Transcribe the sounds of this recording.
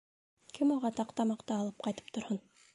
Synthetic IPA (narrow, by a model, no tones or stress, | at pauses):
kʰɘmuʁɑt̪ɑqt̪ɑmɑqt̪ɑːlˠɤp̚qɑjt̪ɤ̥p̚t̪ŏɾhɤn